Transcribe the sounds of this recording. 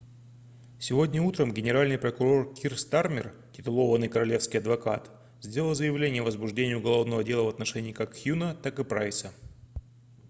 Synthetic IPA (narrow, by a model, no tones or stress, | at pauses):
sʲɪvo̞dʲnʲəut̪ɾəmɡʲɪnʲɪɾalʲnɨjpɾəkʊɾo̞rkʲʰirst̪armʲɪ̰r | tʲɪt̪ʊlˠo̞vənɨjkəɾɐlʲe̞fskʲɪjɐd̪vɐka̰t̪ | zʲdʲe̞lʲˠəlˠzəjɪvlʲenʲɪjəvəzbʊʐdʲenʲɪjʊʊɡɐlˠo̞vnəvədʲe̞lˠəvɐt̪nɐʂɛnʲɪːkakxʲjunət̪akɨpɾajsə